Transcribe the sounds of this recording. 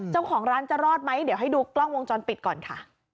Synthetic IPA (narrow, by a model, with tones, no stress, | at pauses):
t͡ɕa˥˩wkʰɔː˨˩˦ŋɾaː˦˥nt͡ɕa˨˩ɾɔː˥˩t̪̚ma˦˥jdi˨˦wɦa˥˩jduː˧klɔ˥˩ŋwo˧ŋt͡ɕɔː˧npi˨˩t̪̚kɔː˨˩nkʰa˥˩